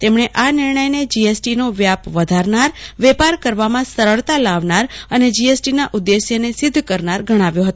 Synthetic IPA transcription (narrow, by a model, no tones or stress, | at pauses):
t̪emɳ̃eʔanɪɾɳəjned͡ʒiesʈinoʋjapʋəd̪ʱaɾnaɾʋɛpaɾkəɾʋamãsəɾəɭt̪alaʋnaɾəned͡ʒiesʈinaʔud̪ːesjənesɪd̪ʱkəɾnaɾɡʱəɽ̃aʋjõɦət̪o